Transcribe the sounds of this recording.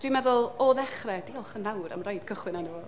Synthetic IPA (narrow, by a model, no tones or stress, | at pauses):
d̥wimɛðʊlˠɔðɛχrɛdiɔlˠχənawɾa̰mrɔjd̥kʰəχwɪnanə